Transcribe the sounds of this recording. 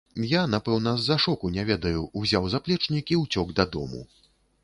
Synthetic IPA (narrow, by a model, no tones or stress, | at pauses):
janapɛwnɐzːaʂɔkunʲɛvʲɛd̪ɐjuuzʲawzaplʲɛt͡ʂnʲikʲiwt͡sʲɔɡd̪ɐd̪ɔ̰mṵ